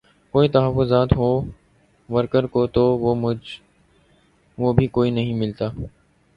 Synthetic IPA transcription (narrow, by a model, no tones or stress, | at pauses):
koːit̪əɦəfʊzaːt̪ɦoː | ʋəɾkəɾkoːt̪oː | ʋoːbʱiːkoːiːnəɦĩmɪlt̪aː